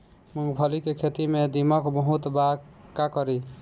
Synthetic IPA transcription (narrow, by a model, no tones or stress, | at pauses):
muɡbʰʱɔlikekʰet̪imed̪imɔkbɔɦut̪bakakɔɾi